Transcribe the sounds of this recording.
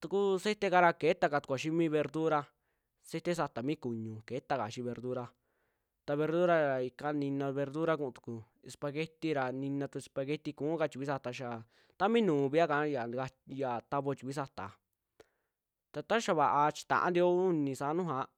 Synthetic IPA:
t̪u˧ku˦se˦t̪e˦ka˧ɾa˧ke˨˦t̪a˧ka˧˨t̪u̥˨kʷa˨ʃi˦mĩ˦βe˧ɾd̪u˦ɾa˧ | se˦t̪e˦s̬a˧t̪a˨mĩ˦ku˨ɲũ˨ke˨˦t̪a˦˧ka˨ʃi˧βe˧ɾd̪u˦ɾa˧ | t̪a˧βe˧ɾd̪u˦ɾa˦ɾa˨i˧ka˧nĩ˧nã˧βe˧ɾd̪u˦ɾa˧kũ˧ũ˧t̪u̥˨ku˨ | e˧spa˧ɣe˦t̪i˧ɾa˨nĩ˧nã˧t̪u˧e˧spa˧ɣe˦t̪i˧kũ˨˦ka˧t͡ʃi˨kʷi˦sa˧t̪a˧ʃa˧˨ | t̪a˦mĩ˦nũː˨βi˦a˦ka˨˦ja˨a˧ja˨t̪a˧βo˧t͡ʃi˨ki˦sa˧t̪a̰˨ | t̪a˧t̪a˦ʃa˧βa˨ʔa˧t͡ʃi̥˧t̪ã̰˨ʔã̰˦nd̪i˧o˦u˦nĩ˧sa˧˨˦nũ˦ɦã˨˦

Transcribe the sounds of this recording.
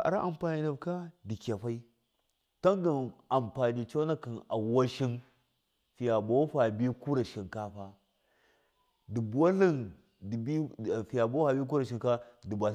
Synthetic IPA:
a̰˨ɾa˦ʔa˨mpa˨ni˨na˨bka˦di˨kʲa˨ɸa˦i˦ | ta˦ŋɡa˨na˨mpa˨ni˨t͡ʃa˦na˦ka˨na˨wa˦ʃi˦n | fi˨ja˨bo˦ɸa˨bi˦ku˦ɾa˨ʃi˨nka˦ɸa˦ | di˨bu˨wa˦li˦n | di˨bi˦˨fi˨ja˨bo˦a˨bi˦k̬u˦ɾa˨ʃi˨ka˦di˨ba˨

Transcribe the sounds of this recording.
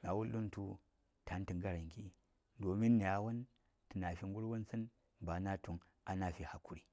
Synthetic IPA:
na˨wu˦lːu˦n˦tu˦ | tʰa˨˦n˦ti˨ŋɡa˦ɾa˨ŋki˦ | do˨mi˦nː˨a˨wa˦n | ti˨na˨fi˦ŋɡu˦ɾwu˦nsə˦n | ba˨na˦tu˨ŋ | a˨na˨fi˦ha˨ku˦ɾi˨

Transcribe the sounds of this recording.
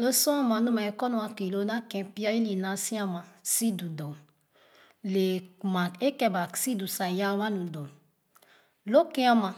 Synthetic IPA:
o˦sɔ̃˦a˦ma˨nu˦ma˨e˨kɔ˦nu˨˦a˦ke˨lo˦na˦kɛ̃˨pi˦a˦i˦li˨na˨si˦a˦mã˨si˦du˨dɔ˨n | le˨ma˨e˦kɛ̃˦˨ba˨si˦du˨sa˨ja˦wa˦nũ˨dɔ˨n | lo˦ke˦a˦mã˨

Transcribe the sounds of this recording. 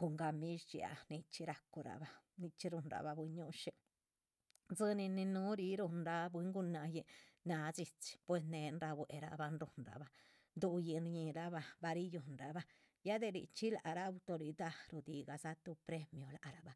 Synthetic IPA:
ko˨ŋɡa˧mi˦ʃt͡ʃi˧a̰˨ni˧t͡ʃi˦ɾa˧ku˧ɾa̰˨ba˧ni˧t͡ʃi˦ɾu˧nɾa̰˨ba˧bwi˧ɲu˦ʃe˧ | d͡zɨ˧ni˧ni˧nu˦ɾi˧ɾu˧nɾa˧bwi˧˦ŋɡu˧na˧je˧na˧d͡zi˧t͡si̥˧pwe˧sne˧˨nɾa˧bwe˨ɾa̰˧ba˧nɾu˧nɾa̰˨ba˧ | d̪u˧ji˧nɾɲi˧ɾa˦ba˧ba˧ɾi˦ju˧nɾa˨ba˧ | ja˦d̪e˧ɾḭ˨t͡ʃi˦la̰˨ɾa˦˧wt̪o˧ɾi˧d̪a˧ɾu˧˨d̪i˨ɡa˨sa˦t̪u˧pɾe˦mjo˨la̰˨ɾa˧˨ba˨

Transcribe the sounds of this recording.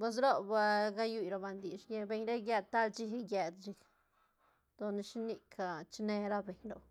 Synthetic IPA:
pe˧s̬ɾo˦ba˧ɡa˦ju˧jɾo˧ba˧nd̪i˨ʃje˧be˧ɲɾe˦ɡje˧d̪̚t̪a˦lt͡ʃi˦hɡʲe˧d̪t͡ʃi˧k | d̪̥o˨ni˧ʃni˧kʰa˧˨t͡ʃne˧ɾa˦be˨ɲɾo̰˨

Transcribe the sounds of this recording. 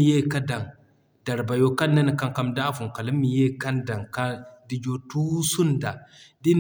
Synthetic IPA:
je˦ka˦da˨ŋ | d̥a˨ɾba˨jo˦ka˦nːa˦n˨ka˦ŋka˦mda˦fu˨ŋ˨ka˨li˦mːi˨je˦ka˦nda˨ŋka˦di˦d͡ʒo˦tu˦su˦nda˨di˦n

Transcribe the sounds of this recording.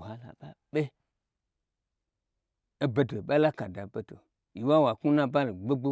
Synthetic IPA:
a˨la̰˨ɓa˦ɓe˦ | e˦be˦to˨ɓa˦la˦ka˨da˨be˦to̰˨ | ji˨wa˦wa˨ku˦na˦ba˦lɡ͡be˦ɡ͡bo˦

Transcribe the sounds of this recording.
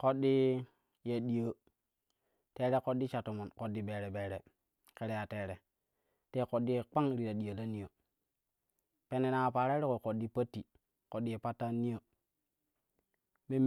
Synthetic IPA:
ko˦ɗːi˦ | je˨ɗi˨jə˨ | te˦ɾe˦ko˦dːi˦t͡ʃa˨to˨mo˨nko˨dːi˦be˨ɾe˨be˨ɾe˨ | ke˦ɾe˦ja˨te˨ɾe˨ | te˦˨ko˨dːi˦je˨k͡pa˦ŋɾi˨ɾa˨ɗi˨jo˨la˦ni˦jo˨ | pe˨ne˨na˨pa˨ɾa˦ɾi˦ko˨ko˨ɗːi˦pa˦tːi˨ | ko˨ɗi˦je˨pa˦tːa˦ni˦jo˦ | me˦m

